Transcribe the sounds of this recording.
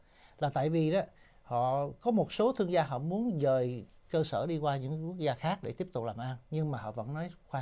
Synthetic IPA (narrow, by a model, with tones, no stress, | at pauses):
laː˨˩t̪a̰ː˧˨jvi˨˩ɗɔ˨˦ | hɔ̰˧˨kɔ˨˦mo˨˩t̚so˨˦t̪ʰɨ˧əŋzaː˧ɦɔ̰˧˨mu˨˦ənzəː˨˩jkəː˧səː˧˩ɗi˧kwaː˧ɲɨ̰˧˥ŋ˧ku˦˥ək̚zaː˧xaː˦˥k̚ɗe˧˩t̪i˦˥əp̚t̪ʊ˨˩k͡p̚laː˨˩mʔaː˧nɲɨ˧ŋmaː˨˩ɦɔ̰˧˨və̰˧˥nːɔ˨˦jxwaː˧